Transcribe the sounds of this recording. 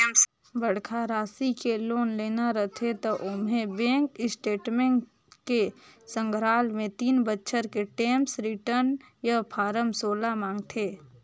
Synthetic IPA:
m | bəɽkʰaɾaːsikeloːnleːnaɾət̪ʰet̪oʔʊmɦẽbẽːŋkɪsʈeːʈmẽɳ | kesə̃ŋɡʱɾaːlmẽt̪iːnbətːʃʰəɾkeʈeːmsɾɪʈəɾn | japʰaːɾəmsoːlamãːŋɡt̪ʰeː

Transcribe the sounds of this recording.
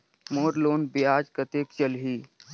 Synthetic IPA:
moːɾloːnbijaːd͡ʒkət̪eːkt͡ʃəlɦiː

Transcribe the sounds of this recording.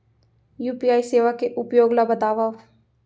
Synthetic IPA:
juːpijaːiseːʋakeʔʊpjoːɡlabɐt̪aːʋaʋ

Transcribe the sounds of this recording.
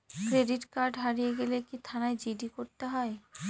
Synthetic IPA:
kɾeɖiʈkaɾɖɦaɾijeɡelekit̪ʰanaed͡ʑiɖikoɾt̪eɦɔe

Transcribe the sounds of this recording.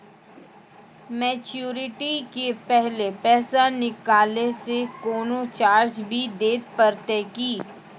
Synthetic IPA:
mɛːt͡ʃjuːɾɪʈikepɛɦlepɛːsanɪkaːlesekoːnot͡ʃaːɾd͡ʒbʱid̪eːt̪pəɾt̪ekiː

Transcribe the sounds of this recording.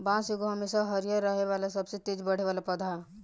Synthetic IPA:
bãːseɡoɦəmeʃaɦəɾijaɾəɦeʋalasɐbset̪ed͡ʒbəɽ̤eʋaːlapəd̪ʱa

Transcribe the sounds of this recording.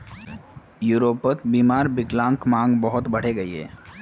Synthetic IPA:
juːɾoːpət̪biːmaːɾbɪklãːŋkmãːŋɡbəɦʊt̪bɐɽ̤eɡɐiɦḛː

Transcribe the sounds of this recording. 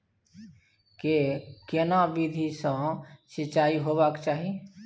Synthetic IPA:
kekɪnaʋid̪ʱisãsɪt͡ʃaːiɦoːbakt͡ʃaːɦie

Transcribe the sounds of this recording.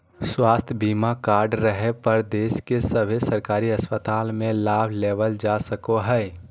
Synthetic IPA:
swaːst̪ʰjbiːmakaːɾɖɾəɦepəɾd̪eːskesəbʱesəɾkaːɾiəspət̪aːlmẽlaːbʱleːʋəld͡ʒasəkoɦɛː

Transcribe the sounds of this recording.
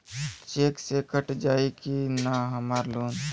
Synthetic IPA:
t͡ʃeːksekəʈd͡ʒaːikinaɦəmaːɾloːn

